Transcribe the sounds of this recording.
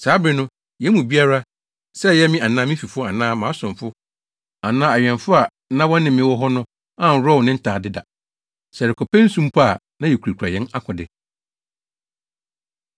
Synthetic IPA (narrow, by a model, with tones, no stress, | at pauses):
saː˨˦bɾɪ˨˦nʊ̃˦ | jɛ˨˦mũ˨bi˦a˦ɾa˦ | sɛ˦˨jɛ˦mɪ̃˦a˨nãː˦mĩ˦fi˨fʊ˦a˨nãː˦mãː˨˦sʊ̃˨mfʊ˦ | a˨nãː˦a˨ɥᶣɛ̃˨nfʊ˦a˨ | nã˦wɔ̃˦n˦nɪ̃˨mːɪ̃˦wɔ˦ɦɔ˦nʊ̃˦ | ã˦˨n̩˨˦ɾɔ˦wnɪ̃˦n̩˦tʰaː˨dɪ˦da˨ | sɛ˨ɾɪ˨kʰɔ˨pɛ̃˦n̩˦sũ˦m˦pʰa˦˨ | nã˦jɛ˨ku˨ɾa˨kʰu˨ɾa̰˨jɛ̃˦na˦kʰʊ̃˨dɪ̰˨